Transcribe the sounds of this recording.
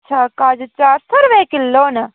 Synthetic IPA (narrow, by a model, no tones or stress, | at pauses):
t͡ʃʰaːkaːd͡ʒt͡ʃaːɾsɐɾʋeːkɪlːoːnɐ